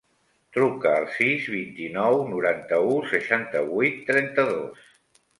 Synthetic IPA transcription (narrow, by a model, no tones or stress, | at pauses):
t̪ɾukəːlˠsizβint̪inɔwnuɾant̪əusəʃant̪əβujt̪ːɾɛnt̪əðos